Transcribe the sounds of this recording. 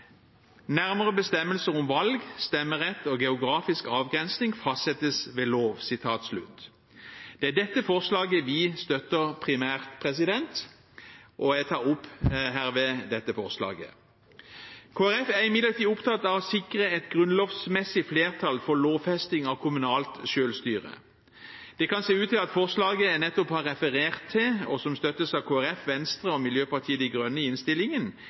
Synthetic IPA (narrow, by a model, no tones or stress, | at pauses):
næʁməʁəbəst̪ɛmːəlsəʁɔmʋɑlɡst̪ɛmːəʁɛt̪ːoɡɛʊɡʁɑːfɪskɑːʋɡʁɛnsnɪŋfɑst̪sɛt̪əsʋeːloːʋsɪt̪ʰɑːt̪slʉ̰t̪ː | d̪̥ɛæd̪ɛt̪ːəfɔʁslɑːɡəʋɪst̪œt̪ːəʁpʰʁɪmæːʁt̪pʰʁɛsɪd̪ɛnt̪ | ʔɔɛt̪ʰɑːʁʊpːɦæːʁʋɛd̪ɛt̪ːəfɔʁslɑ̰ːɡə̰ | kʰoːæɾɛfæʁɪmɪd̪ləʁt̪iːʊpt̪ʰɑt̪ːɑʋsɪkʁəɛt̪ɡʁʉnloːʋsmɛsɪfleːʁt̪ʰɑlfɔloːʋfɛst̪ɪŋɑʋkʰʊmʉnɑːlt̪ʃøːlst̪yːʁə̰ | d̪̥ɛkʰɑnseːʉːt̪ɪlɑt̪fɔʁslɑːɡənɛt̪ːɔphɑʁɛfəʁeːʁt̪ʰːɪlɔsɔmst̪œt̪ːəsɑʋkʰoːæʁɛfʋɛnst̪ʁəɔmɪljøːpɑʁt̪ʰiːəd̪ɪɡʁœnːəɪnst̪ɪlɪŋən